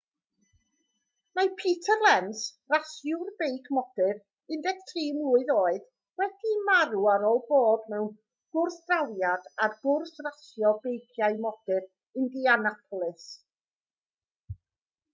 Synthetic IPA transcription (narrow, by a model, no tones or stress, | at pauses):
majpʰiːtʰərlɛnsrasjʊrbejkʰmɔd̥ɨɾ | ɪndɛɡ̥tʰriːmlʊːɨðoːɨð | wɛd̥imaɾuaɾɔlˠboːdmɛwn | ɡ̥ʊrθd̥rawjadarɡ̥ʊrsrasjɔbejkʰjaɨmɔd̥ɨr | ɪndianapʰɔlˠɪs